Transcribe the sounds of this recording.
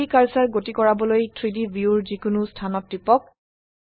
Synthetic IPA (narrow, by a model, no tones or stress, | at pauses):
ikaɹsaɹɡotikɔɹabɔlojtʰɹidibʱiuɹzikʊnʊstʰanɔt̚ɹipɔk̚